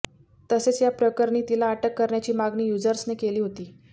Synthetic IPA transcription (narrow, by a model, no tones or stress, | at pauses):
t̪əset͡sjapɾəkəɾɳiːt̪ilaːʈəkːəɾɳjat͡ɕiːmaɡniːjud͡zəɾsnekeliːɦot̪iː